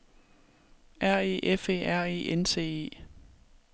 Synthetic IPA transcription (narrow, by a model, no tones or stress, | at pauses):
ʔæɐ̰e̝̰ːʔefe̝̰æɐ̰ḭːʔense̝̰ːe̝̰ː